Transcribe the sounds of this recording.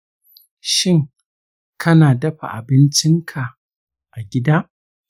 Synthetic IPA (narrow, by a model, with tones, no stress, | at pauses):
ʃɪ˦˨ŋ | kʰɐ˦naː˨dɐ˦ɸa̰˨ʔa˨bɪ˦nt͡ʃɪ˦ŋkʰa˨ | ʔa˨ɡʲɪ˦daː˦ʔ